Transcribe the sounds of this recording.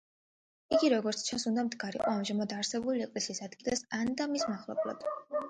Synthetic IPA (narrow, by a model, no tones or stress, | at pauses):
iɡiɾɔɡɔɾt̪sʰt͡ʃʰãnsund̪amd̪ɡaɾḭqʼɔamʒamad̪aɾsɛbuliɛkʼlɛsiːsad̪ɡilˠasand̪amismaχlˠɔ̰blˠɔ̰d̪̥